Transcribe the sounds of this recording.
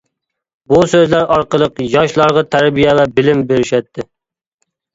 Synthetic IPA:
busøzlæɾɑɾqəlˠəqjɑʃlˠɑɾʁɑt̪ʰæɾbijɛvɛbɪlɪmbeɾɪʃɛt̪ʰːɪ

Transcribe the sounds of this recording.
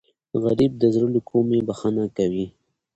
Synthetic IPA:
ɣaɾib̚d̪əzɾulukʰomebaxanakawi

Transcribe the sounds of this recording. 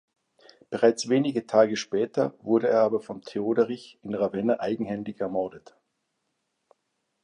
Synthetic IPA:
b̥əʁaɪt͡sv̥eːnɪɡətʰaːɡəʃpɛːtʰɐvʊɐɾəeːɐʔaːbɐfɔntʰeoːdəʁɪçɪnʁavɛnɐʔaɪɡŋ̩hɛndɪçɛɐmɔɐdət

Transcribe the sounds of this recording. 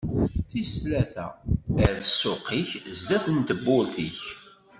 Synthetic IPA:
θislæθæ̰əɾəsːʊqːiçzd̪æθənt̪əbːʊlθiç

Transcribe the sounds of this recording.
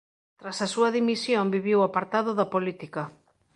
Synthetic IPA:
t̪ɾasasuɐðimisjombiβiwapaɾt̪aðʊðɐpolit̪ikɐ

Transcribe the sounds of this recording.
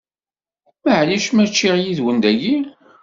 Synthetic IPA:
məʕliʃmæt͡ʃːiʁjiðwənd̪æji

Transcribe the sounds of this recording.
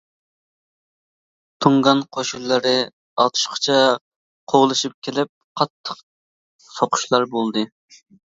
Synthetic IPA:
t̪ʰuŋʁɑnqʰoʃulːɨɾɪ | ɑ̰t̪ʰu̥ʃqʰə̥t͡ʃʰɛ | qʰoʁlˠɨʃip̚kʲʰelɪp̚qʰɑt̪ʰːə̥q | soqʰʊ̥ʃlˠɑɾbolˠd̪ɨ

